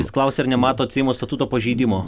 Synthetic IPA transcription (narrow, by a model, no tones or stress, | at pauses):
ɪsklˠɑˑʊsʲeɛɪɾnʲɛmɑːt̪oːt̪ʲsʲɪjɪmost̪ɐt̪ut̪oːpɐʒʲiːd̪ʲɪmoː